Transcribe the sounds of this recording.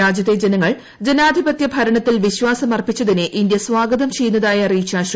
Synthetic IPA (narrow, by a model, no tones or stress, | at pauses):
aːd͡ʑjɐt̪ːed͡ʑenɐŋːɐɭ | d͡ʑe̞naːd̪ʱibɐt̪jɐbʱɐɾɐɳɐt̪ːilʋiɕʋaːsɐmɐrpit͡ɕːɐðineʔind̪jɐsʋaːɡɐðɐmt͡ɕe̞jːunːɐðaːjɐriːɕaːɕ